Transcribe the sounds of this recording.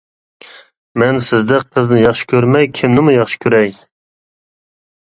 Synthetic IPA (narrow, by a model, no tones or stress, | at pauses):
mɛnsɪzd̪ɛk̚ʲt̪ʰɨzd̪ɨnjɑχʃɪ̥kʲʰøɾmɛjkʲʰɪmnɪmʊjɑχʃɪ̥kʲʰøɾɛj